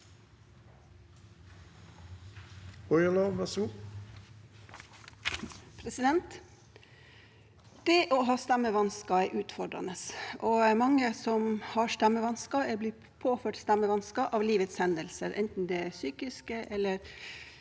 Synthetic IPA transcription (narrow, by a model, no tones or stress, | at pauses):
ɔʏəloːʋɛsuː | pʰɾɛsɪd̪ɛnt̪ | d̪̥ɛʔoːɦɑːst̪ɛmːəʋɑnskɑæɪʔʉːt̪fɔɖɾɑ̰nəsoːmɑŋːəsɔmhɑːst̪æmːəʋɑnskɑɛbliː | pʰoːføːʈst̪æmːəʋɑnskɑʔɑːʋliːʋət̪shɛnd̪əlsəɾʔɛ̰nt̪n̩d̪ɛæsyːkɪskəʔɛlːəɾ